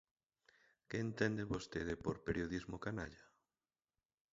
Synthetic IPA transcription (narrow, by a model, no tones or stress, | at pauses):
keːnt̪ɛnd̪eβost̪eðɪpoɾpeɾjoðizmokanaʎa